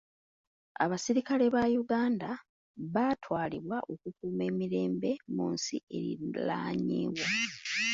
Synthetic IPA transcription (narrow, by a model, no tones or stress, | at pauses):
a̰βasiɾikale̞βajuɡaːnda | βatʰwaːliβwaʔo̞kukuːme̞ːmiɾe̞ːmbe̞munsḭe̞ɾḭla̰ːɲḭːβwa